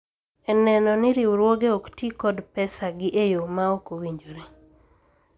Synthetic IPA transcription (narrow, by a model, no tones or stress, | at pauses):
ɛnɛnɔnɪɾiwuɾwoɡeoktikɔdpɛsaɡɪʔejomaokowiɲd͡ʒoɾe